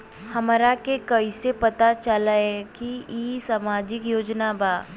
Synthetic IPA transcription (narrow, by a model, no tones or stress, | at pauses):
hɐmɾakekɐisepɐt̪at͡ʃəlaɛkiiːsamaːd͡ʒɪkjoːd͡ʒnabaː